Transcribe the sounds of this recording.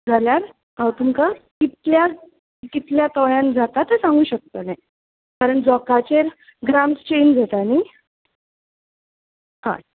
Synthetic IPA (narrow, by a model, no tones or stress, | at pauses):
d͡zaljaɾ | ɦãwt̪umkakit̪lja | kit̪ljat̪ɔɭjãnd͡zat̪at̪əsãŋɡuːɕək̚t̪onaj | kaɾəɳd͡zɔkat͡ɕeɾ | ɡɾamst͡ɕend͡zat̪ani | hã̰